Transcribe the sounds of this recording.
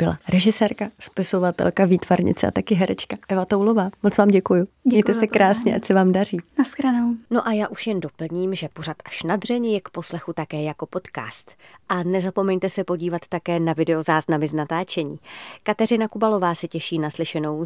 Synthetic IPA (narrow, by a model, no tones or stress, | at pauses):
b̥ɪla̰ɾɛʒɪsɛːɾkaspɪso̞vat̪ɛ̰lkaviːt̪vaɾɲɪ̰t͡sɛʔa̰t̪akɪɦɛɾɛt͡ʃkaʔɛvat̪owlovaːmot͡svaːmɟɛkujuɛjt̪ɛsɛkɾaːsɲɛʔacsɛvaːmdariːnaskɾanowno̞ʔajaːʔuʃjɛndo̞pl̩ɲiːmʒɛpo̞rat̪ʔḁʃnad̪r̝ɛɲɛjɛkpo̞slɛxut̪akɛːjako̞po̞t̪ka̰ːst̪ʔanɛzapo̞mɛɲt̪ɛsɛpo̞ɟiːvat̪ːakɛːnavɪdɛo̞zaːznamɪznat̪aːt͡ʃɛɲiːkat̪ɛrɪnakubalo̞vaːsɛcɛʃiːnaslɪʃɛno̞w